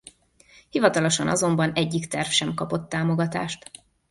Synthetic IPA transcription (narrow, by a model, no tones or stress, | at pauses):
hivɒt̪ɒlo̞ʃɒnʔɒ̰zo̞mbɒnɛɟːikt̪ɛrfʃɛmkɒpo̞t̪ːaːmo̞ɡɒt̪a̰ːʃt̪